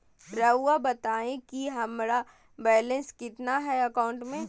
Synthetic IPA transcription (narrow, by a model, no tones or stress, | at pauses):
ɾɐʊabɐt̪aːẽkiɦɐmɾa | bɛːlə̃nskɪt̪naɦɛɐkaʊ̃ɳʈmẽ